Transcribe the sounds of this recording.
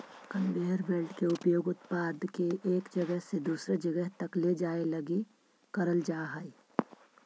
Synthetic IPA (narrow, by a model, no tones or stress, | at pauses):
kənbeɦəɾbelʈkeʊpjoːɡʊt̪paːd̪ʱkeʔeːkd͡ʒɐɡəɦsed̪uːsɾed͡ʒəɡəɦt̪ɐkled͡ʒaːelɐɡi | kəɾəld͡ʒaːɦaːi